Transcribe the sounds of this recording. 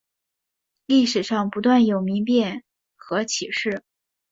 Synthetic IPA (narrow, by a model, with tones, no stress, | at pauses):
li˥˩ʂɻ̩˨˩ʂɑ˥˩ŋpu˧˥t̪wa˥˩njo˨˩ʊmi˧˥ŋpjɛ˥˩n | xɤ˧˥t͡ɕʰi˨˩ʂɻ̩˥˩